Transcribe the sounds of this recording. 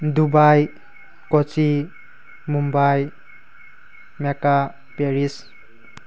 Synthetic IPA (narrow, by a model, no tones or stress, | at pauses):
d̪ubaj | kɔt͡ʃi | mumbaj | meka | peɾis